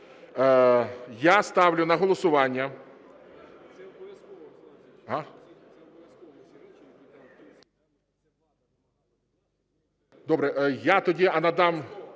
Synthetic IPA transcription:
jast̪ɑwlʲʊnɐɦɔlˠɔsʊʋɑnʲːɐ | ɦa | d̪ɔbɾɛʔjat̪ɔdʲiɐnɐd̪ɑm

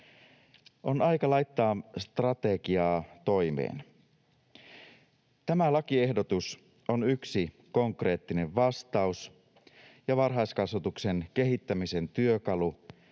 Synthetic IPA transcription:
ʔo̞nɑjkɑlɑjt̪ːɑːst̪rɑt̪e̞ɡiɑːt̪o̞jmḛːn | t̪æmælɑkie̞hdo̞t̪us | ʔonyksi | ko̞ŋkre̞ːt̪ːine̞ʋʋɑst̪ɑus | jɑʋɑrɦɑjskɑsʋɑt̪ukse̞nke̞ɦit̪ːæmise̞nt̪yøkɑlu

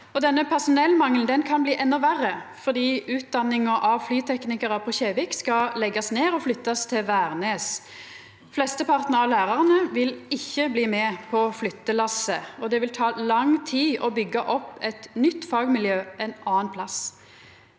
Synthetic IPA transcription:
ɔd̪ɛnːəpʰæʁsʊnɛlːmɑŋln̩d̪ɛnkʰɑnbliːʔɛnːɔʋæʁəfɔʁd̪iːʉːt̪̚d̪ɑnːɪŋɔʔɑʋflyːt̪ʰɛknɪkəʁɑpʰɔçeːʋɪkskɑlɛɡːɑsneːʁɔflʏt̪ːɑst̪ʰɪlʋæːʁneːs | flɛst̪əpʰɑʁt̪nəʁɑʋlæːʁɑʁənəʋɪlɪçːəbliːmɛpʰɔflʏt̪ːəlɑsəɔd̪ɛʋɪlt̪ʰɑːlɑŋt̪ʰiːɔbʏɡːəʔɔpːɛt̪nʏt̪ːfɑːɡmɪljøːɛnɑːənpʰlɑs

